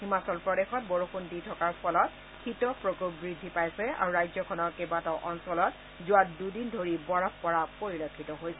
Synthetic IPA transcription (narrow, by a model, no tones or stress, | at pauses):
ximasɔlpɹɔɾexɔt̚bɔɹoxunditʰɔkaɹpʰɔlɔt̚ | kʰitɔpɹokokbɹidʱːipajsɛa̰ɹuɹajzɔkʰɔnɔkebatɔʔɔnsɔlɔt | zʊwatdudindʱoɹibɔɹɔppɔɹapoɹilokʰːitɔɦojsɛ